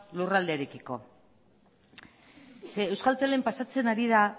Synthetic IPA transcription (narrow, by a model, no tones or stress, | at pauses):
lurald̪eːɾekiko̞̰ | seːwskalt͡s̪elempasat͡se̞naɾiða